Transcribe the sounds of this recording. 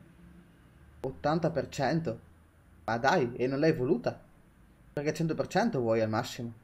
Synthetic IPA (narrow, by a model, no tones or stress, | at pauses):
ot̪ːant̪apert͡ʃɛnt̪o | mad̪ajenːonlɛjvoluːt̪a | perk̟et͡ʃːɛnt̪̬opert͡ʃɛnt̪ovwɔjalmasːimo